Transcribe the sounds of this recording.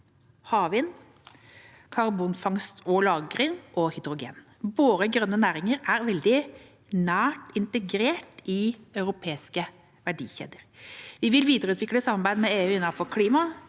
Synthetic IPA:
hɑːʋɪn | kʰɑɾbuːnfɑŋst̪ʰɔlɑːɡəɾɪŋʔɔhɪd̪ɾʊɡḛːn | boːɾəɡɾœnːənæːɾɪŋəɾæɾʋɛld̪ɪ | næːʈɪnt̪əɡɾeːʈɪɑʉɾʊpʰeːɪskə | ʋæɖḭːçḛːd̪əɾʋɪʋɪlʋiːd̪əɾəʉːt̪ʰʋɪkləsɑmːɑɾbæɪd̪mɛeːʉːɪnːɑnfɔɾkʰliːmɑ

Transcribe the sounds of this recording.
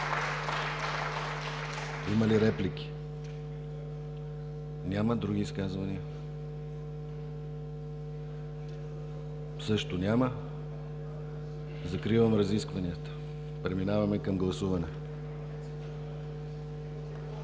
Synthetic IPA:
iməliɾɛplik̟i̥ | nʲaməd̪ɾuɡ̟ʲiːskazvɐniə | sɤʃt̪onʲamə | zɐkɾivəmɾɐziskvɐniət̪ə̥ | pɾɛminavɐmɛkɐmɡlˠɐsuvɐnɛ

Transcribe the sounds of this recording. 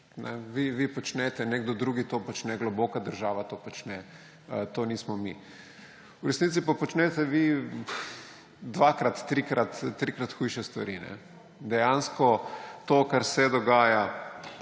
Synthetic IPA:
nʔɛ̰ʋiʋipɔt͡ʃnɛt̪ɛneɡd̪ɔd̪ɾuːɡit̪opɔt͡ʃnɛɡloboːkad̪əɾʒaːʋat̪oːpɔt͡ʃnɛ | ət̪oːniːsmɔmḭ | uɾɛsnit̪sipapɔt͡ʃnɛt̪ɛʋi | d̪ʋakɾat̪ːɾikɾat̪ːɾikɾat̪xujʃɛst̪ʋa̰ɾinɛ̰ | d̪ɛjanskɔt̪okaɾsɛd̪ɔɡaːja

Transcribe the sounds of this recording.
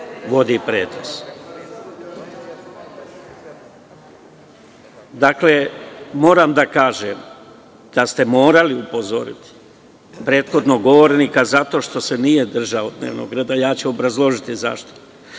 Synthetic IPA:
ʋo̞d̪ipɾeːt̪ɾos | d̪akle̞mo̞ːɾamd̪akaːʒem | d̪̥ast̪e̞mo̞ːɾaliupo̞zo̞̰ɾḭt̪i̥ | pɾe̞ːt̪xo̞d̪no̞ɡo̞ʋo̞ɾnikazat̪o̞ʃt̪o̞se̞nijed̪r̩ʒaod̪neːʋno̰ɡɾeːd̪ajaːt͡ɕuo̞bɾazlˠo̞ʒit̪iza̰ʃt̪o̥

